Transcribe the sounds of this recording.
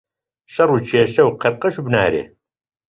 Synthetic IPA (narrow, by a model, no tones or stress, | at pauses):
ʃɐruːt͡ʃʰeːʃɐwqʰəɾqəʃubna̰ːɾḛː